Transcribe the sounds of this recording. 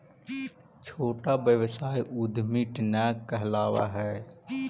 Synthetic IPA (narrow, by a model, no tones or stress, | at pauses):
t͡ʃʰoːʈabjəʋsaːjʔud̪ʱmiʈnɛːkːəɦɛlaːwa̰ɦɛː